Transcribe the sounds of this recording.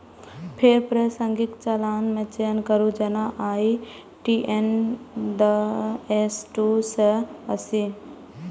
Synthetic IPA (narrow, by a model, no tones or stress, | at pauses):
pʰeɾpɾəsəŋɡikt͡ʃɐlaːnmẽt͡ʃeːnkəɾud͡ʒɐnaʔaːi | ʈiʔend̪əesʈusəəsi